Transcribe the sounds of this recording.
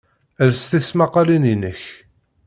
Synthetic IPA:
əlst̪ismɑqːɑlininəç

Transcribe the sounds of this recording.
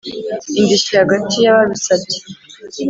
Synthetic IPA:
indiʃihaɡatijaβaβisati̥

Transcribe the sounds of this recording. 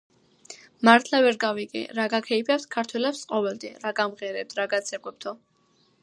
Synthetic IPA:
maɾt̪ʰlˠavɛɾɡaviɡʼɛ̰ɾaɡakʰɛipʰɛpskʰaɾt̪ʰwɛlɛpsqʼɔvɛld̪ɛɾaɡamʁɛɾɛp̚t̪ʰɾaɡat̪sʰɛɡwɛp̚t̪ʰɔ

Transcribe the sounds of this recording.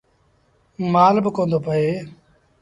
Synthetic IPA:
maːlbəkõːnd̪oːpəeː

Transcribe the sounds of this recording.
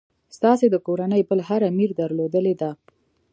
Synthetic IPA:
st̪ɑsed̪əkoɾanəjbəlɦaɾamiɾd̪əɾlod̪əled̪a

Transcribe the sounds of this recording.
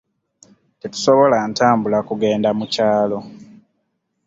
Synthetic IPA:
tetu̥so̞βo̞lantaːmbulakuɡe̞ːndamucaːlo̞

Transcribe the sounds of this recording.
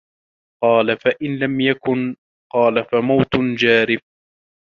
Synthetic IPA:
qɑːlafaʔɪnlamjakʊn | qɑːlafamawt̪d͡ʒaːɾɪf̚

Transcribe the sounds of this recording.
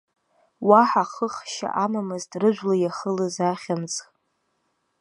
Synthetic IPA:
waħaχəχʃa̰ʔamamɨztʼrɨʒʷlajaχəlɨzaχʲamt͡sʼ

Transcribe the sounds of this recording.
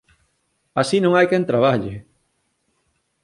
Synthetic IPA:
asinõŋajkɛnt̪ɾaβ̞aʎɪ

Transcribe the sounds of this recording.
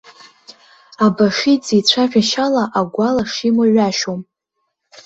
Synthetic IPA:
abaʂit͡sit͡ɕʷʰaʒᶣaʃalaʔaɡʷalaʂimoɥaʃom

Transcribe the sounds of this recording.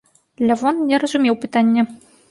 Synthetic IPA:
lʲɘ̆vonnʲĕɾə̆zumʲewpɨt̪anʲːɘ̆

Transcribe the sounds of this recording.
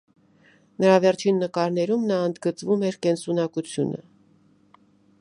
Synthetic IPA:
nəɾɑvɛɾt͡ʃʰinːəkɑɾnɛɾumnɑənd̪ɡət͡svumɛɾkɛnsunɑkut͡sʰjunə̰

